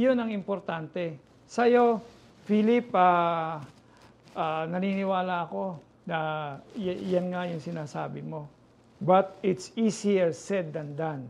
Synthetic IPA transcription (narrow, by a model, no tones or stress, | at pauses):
jonɐŋɪmpoɾt̪ant̪ɛ | sɐjo̞ | filɪpaː | ʔanɐniːnɪwaːlɐʔɐko̞ | nɐjjanŋajʊŋsɪnaːsa̰ːbɪmo̞ | bɐt̪̚ɪt̪sisijɛɹsɛd̪ːɐnd̪an